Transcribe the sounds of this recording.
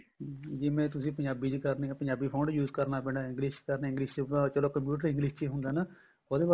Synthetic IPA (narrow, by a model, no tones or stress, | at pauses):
d͡ʒɪmẽːt̪ʊsĩːpəɲd͡ʒaːbiːt͡ʃkəɾneːpəɲd͡ʒaːbiːpʰoːɳɖjuːzkəɾnaːpɛ̃ːɳɖaːɪ̃ŋɡlɪʃkəɾneːɪŋɡliːʃt͡ʃt͡ʃəloːkəmp̬juːʈ̬əɾɪ̃ŋɡlɪːʃt͡ʃeɦʊnd̪aːna | oːd̪eːb